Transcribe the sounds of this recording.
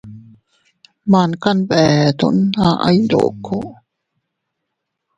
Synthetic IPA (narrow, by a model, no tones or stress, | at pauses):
mankanbɛt̪ṵnaʔa̰jdo̰kʰo